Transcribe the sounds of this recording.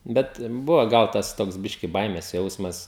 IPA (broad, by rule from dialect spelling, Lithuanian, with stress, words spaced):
ˈbʲɛt ˈbʊʋoː ˈɡɐlˠ ˈtɐs ˈtoːks ˈbʲɪʃʲkʲɪ ˈbɐɪmʲeːs ˈjɛʊsmɐs